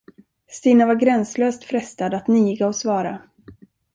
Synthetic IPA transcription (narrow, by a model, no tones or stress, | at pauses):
st̪iːnavaɾɡɾɛnsløːst̪fɾɛst̪ad̪at̪niːɡaɔsvɑːɾa